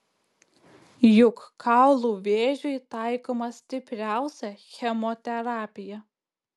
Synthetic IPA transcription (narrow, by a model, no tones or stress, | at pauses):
jʊkkʰɑˑʊlˠuːʋʲeːʒʲʊɪt̪ɑˑɪkoːmɐsʲt̪ʲɪpʲɾʲæˑʊsʲɛxʲɛmɔt̪ʲɛɾɑːpʲɪjɛ